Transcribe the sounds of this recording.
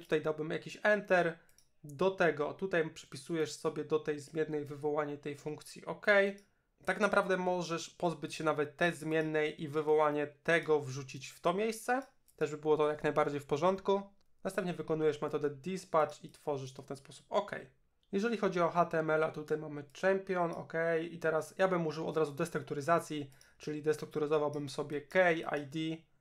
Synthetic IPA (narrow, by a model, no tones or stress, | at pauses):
t̪u̥t̪ajd̪awbɘmja̰kʲiɕɛnt̪ɛɾ | d̪ɔt̪ɛɡɔt̪ut̪ajpʂɛ̥pʲisujɛʂsɔbʲɛd̪ɔt̪ɛjzmʲjɛnːɛjvɘvɔwaɲɛt̪ɛjfuŋkt̪sʲjḭʔɔkɛj | t̪aknapɾavd̪ɛmɔʐɛʂpɔzbɘt͡ɕɕɛnavɛt̪ːɛzmʲjɛnːɛjʔivɘvɔwaɲɛt̪ɛɡɔvʐut͡ɕit͡ɕft̪ɔmʲejst̪sɛ | t̪ɛʐbɘbɘwɔt̪ɔjaknajbaɾd͡ʑejfpɔʐɔnt̪ku | nasɛmp̪̚ɲɛvɘkɔnujɛʂmɛt̪ɔd̪ɛd̪ispat͡ʂit̪fɔʐɘʂt̪ɔft̪ɛnspɔsu̥pɔkɛ̰j | jɛʐɛlʲixɔd͡ʑiɔxat̪ɛɛmɛla̰t̪ut̪ajmamɘt͡ʂɛmpʲjɔnɔ̰kɛjit̪ɛɾasjabɘmuʐɘwɔ̰d̪ɾazud̪ɛst̪ɾukt̪uɾɘzat̪sʲji | t͡ʂɘlʲid̪ɛst̪ɾukt̪uɾɘzɔvawbɘmsɔbʲjɛkɛja̰jd̪ʲi